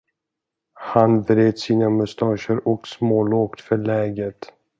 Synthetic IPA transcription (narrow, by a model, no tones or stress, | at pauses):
hanvɾeːd̪siːnamʊst̪ɑːʂəɾɔksmoːloːkt̪fœɭɛːɡət̪